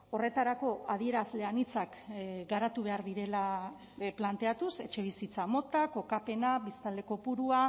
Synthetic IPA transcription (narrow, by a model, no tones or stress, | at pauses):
o̞re̞t̪aɾako̞aðie̞ɾazle̞anit͡sakɡaɾat̪uβ̞e̞aɾðiɾe̞la | plant̪e̞at̪use̞̰t͡ʃe̞β̞isit͡samo̞t̪ako̞kape̞nabist̪ald̪e̞ko̞puɾua